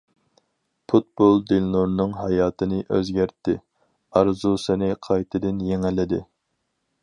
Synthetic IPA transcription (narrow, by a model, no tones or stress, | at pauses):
pʰut̪̚bolˠd̪ɪnloɾnɨŋɦɑjɑːt̪ʰɨnɪʔøzɡʲæɾt̪ːɪ | ɑɾzusɪnɪqʰɑjt̪ʰɨd̪ɪnjeŋɛlɪd̪ɪ